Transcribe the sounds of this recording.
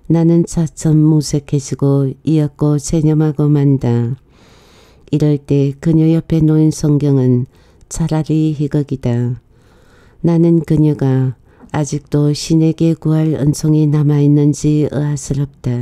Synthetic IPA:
nanɯnt͡ɕʰat͡sʰʌmːusʰekʰed͡ʑʰiɡoiʌk̚k͈osʰeɲʌmɦaɡomanda | iɾʌɭt͈e̞kɯɲʌjʌpʰe̞noinsʰʌŋɡjʌŋɯn | t͡ɕʰaɾaɾiɦiɡʌɡida | nanɯnkɯɲʌɡaː | d͡ʑik̚t͈oɕʰine̞ɡe̞kuɦaɾɯ̰nsʰoŋinamainːɯnd͡ʑiɯ̰asʰɯɾʌp̚t͈a

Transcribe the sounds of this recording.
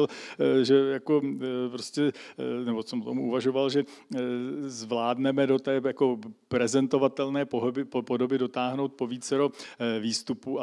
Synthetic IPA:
lʒɛjako̞pɾoscʲɛnɛbosɛmot̪omuʔuvaʒo̞valʒɛ | zvlaːdnɛmɛdo̞t̪ɛːjako̞pɾɛzɛnt̪o̞vat̪ɛlnɛːoɦbɪpo̞do̞bɪdo̞t̪aːɦno̞wt̪̚po̞viːt͡sɛɾo̞viːst̪upua

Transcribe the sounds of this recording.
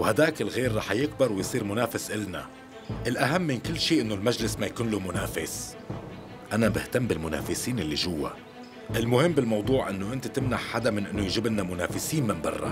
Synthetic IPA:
whad̪aːkɪlɣeːɾːˤɑːħjɪkbɪɾˤwɪjsˤiːɾmʊnaːfɪsʔɪlna̰ | ʔɪlʔaɦamːɪnkɪlːʃiːʔɪnːʊlmaʒlɪsmajakuːnlumʊnaːfɪs | ʔanabɪht̪amːbɪlmʊna̰ːfɪsiːnɪlːiʒʊwːa̰ | ʔɪlmʊhɪmːbɪlmɑwd̪ˤuːʕʔɪnːʊʔɪnt̪at̪ɪmnaħħad̪amɪnʔɪnːʊjʒɪbnːamʊna̰ːfɪsiːnmɪmbɑ̰rˤːɑ̰

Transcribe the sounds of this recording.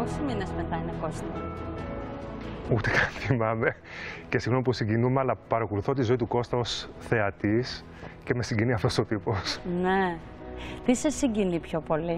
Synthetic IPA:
osiɲinezmet̪ɐinekosnɐ | ut̪ekɐnθimɐme̞ | ce̞siɣno̞mipusiɲɟinumeɐlɐpɐɾɐkoluθo̞t̪izo̞it̪uko̞st̪ɐo̞sθe̞ɐt̪is | ce̞me̞siɲɟiniɐft̪o̞so̞t̪ipo̞sne | t̪isesiɲɟinipço̞po̞li

